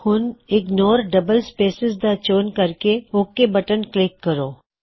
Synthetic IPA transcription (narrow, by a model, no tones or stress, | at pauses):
hʊnɪɡnoːɾɖɐbəlspeːsɪsd̪at͡ʃoːnkɐɾkeoːkːebɐʈənklɪkːɐɾoː